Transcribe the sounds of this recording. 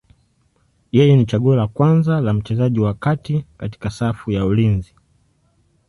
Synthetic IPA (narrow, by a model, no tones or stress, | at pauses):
jɛjɛnit͡ʃaɠuɔlakwanzalam̩t͡ʃɛzaʄiwakatikati̥kasafujaulinzi